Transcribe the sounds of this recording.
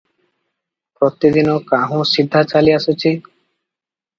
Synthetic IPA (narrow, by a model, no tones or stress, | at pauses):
pɾɔt̪id̪inɔkaɦũsid̪ʱːat͡ʃaliasut͡ʃʰi